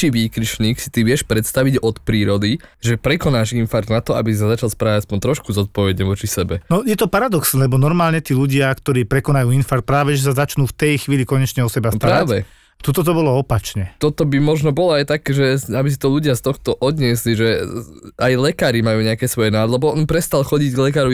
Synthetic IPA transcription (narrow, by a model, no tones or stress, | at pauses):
t͡ʃiʋiːkɾiʃɲiːksi̥t̪iʋɪɛʃpɾɛt̪st̪aʋiɟɔt̪pɾiːɾɔd̪iʒɛpɾɛkɔnaːʒinfaɾd̪nat̪ɔa̰bisis̬azat͡ʃalˠspɾaːʋaɟaspɔɲt̪ɾɔʃkuzɔt̪̚pɔʋɛɟɲɛʋɔt͡ʃisɛbɛnɔjɛt̪ɔpaɾad̪ɔksɛlɛbɔnɔɾmaːlɲɛt̪iːʎuɟɪakt̪ɔɾiːpɾɛkɔnajuːinfaɾt̪̚pɾaːʋɛʒɛs̬azat͡ʃnuːft̪ɛjxʋiːlikɔɲɛt͡ʃɲɛɔsɛbast̪aɾɾaːʋɛ | t̪ut̪ɔt̪ɔbɔlɔɔpat͡ʃɲɛt̪ɔt̪ɔbimɔʒnɔbɔlɔajt̪akʒɛabis̬it̪ɔʎuɟɪast̪ɔxt̪ɔʔɔd̪ɲɪɛsliʒɛ | ajlɛkaːɾimajuːɲɛakɛsʋɔjɛnaːd̪lɛbɔɔnpɾɛst̪alˠxɔɟiɟɡlɛkaːɾu